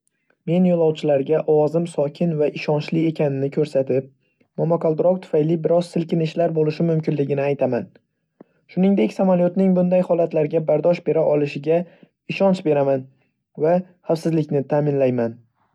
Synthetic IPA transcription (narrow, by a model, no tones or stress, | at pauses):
me̞njolˠɒwt͡ʃʰɪlaɾɡʲaʔɒwɒzɪmsɒkʲʰɪnvaʔɪʃɒnt͡ʃlɪe̞kʲʰanɪnɪkʰɵɾsat̪ʰɪp̚ | mɒmɒkalˠd̪ɪɾɒkt̪ʰʊ̥fajlɪbɪɾɒzsɪlkʲɪnɪʃlaɾbolɪʃɪmʊmkʲɪnlɪɡʲɪnɪajt̪ʰaman | ʃʊnɪŋd̪e̞kʲsamaljot̪nɪŋbʊnd̪ajhɒlat̪laɾɡʲabaɾd̪ɒʃbe̞ɾaʔɒlˠɪʃɪɡʲa | ɪʃɒnt͡ʃbe̞ɾaman | va | hafsɪzlɪkʲnɪt̪ʰaːmɪnlajman